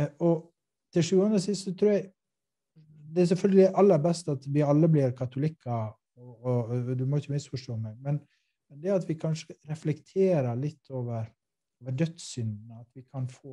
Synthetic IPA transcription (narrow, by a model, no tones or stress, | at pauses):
ɔ | t̪ʰɪʃʂʉːɑnəsɪst̪sɔt̪ʰɾuːɾjæɡ | d̪ɛæs̬ɛlfœlɡəlɪʔɑlːəɾbɛst̪ɑt̪ʋɪɑlːəblɪɾkʰɑt̪ʊlɪkʰːɑ | ɔɔd̪ʉmɔjɪçəmɪst̪fɔʂʈoːmɛɪmɛn | mɛnd̪ɛɑt̪ʋɪkʰɑnʂə̥ɾɛflɛkt̪ʰeːɾəɭɪt̪ʰːoːʋəɾ | oːʋəɖœt̪ssʏnd̪nəɑt̪ʋɪkʰɑnfoː